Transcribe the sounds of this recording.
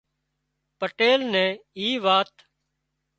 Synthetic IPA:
pəʈeːlnɛ̃ːiːʋaːt̪

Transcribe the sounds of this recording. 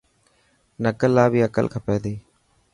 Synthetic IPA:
nəkəlːaːbiːəkə̰lkʰə̃ːpɛːd̪eː

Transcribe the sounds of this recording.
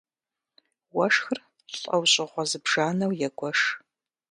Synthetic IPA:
wɐʂxɨr | ɬʼɐwɕʼɪʁʷɔzɨbʒaːnɐwjɛɡʷɔʂ

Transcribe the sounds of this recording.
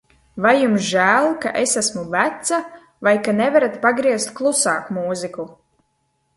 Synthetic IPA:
vajːumsʒæːlˠka̰ʔesæsmuvæt̪sa | vajkanɛvaɾat̪paɡɾiɛst̪̚klˠusaːkmuːziku

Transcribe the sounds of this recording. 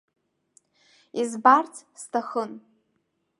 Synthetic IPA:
izbart͡sʰstʰaχən

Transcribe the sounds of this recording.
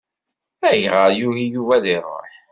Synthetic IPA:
æjʁəɾjuhijuvæðiɾˤo̰ħ

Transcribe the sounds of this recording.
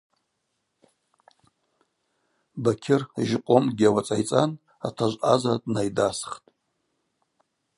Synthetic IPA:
bakʲʰɪrʒɪqʷʼomɡʲawat͡sʼajt͡sʼan | a̰tʰaʒʷʔazadnajdasχtʼ

